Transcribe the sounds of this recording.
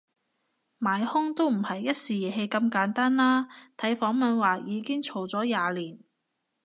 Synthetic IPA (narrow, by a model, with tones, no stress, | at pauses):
maː˨˩jhʊ˥ŋt̪o˥wm̩˨˩hɐ˨jːɐ˥t̚siː˨jiː˨˩ɦe˧jkɐ˧mkaː˨˥nt̪aː˥nlaː˥t̪ʰɐ˨˥jfɔː˨˥ŋmɐ˨nwaː˨˩jiː˨˧kɪ˥ŋt͡ʃʰo˨˩wt͡sɔː˨˥jaː˨liː˨˩n